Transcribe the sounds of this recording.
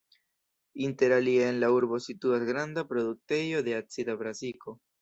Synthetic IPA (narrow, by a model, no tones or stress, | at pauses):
inte̞ɾalieenlauɾbo̞situasɡɾandapɾo̞duk̚te̞jo̞de̞at͡sidabɾaziko̞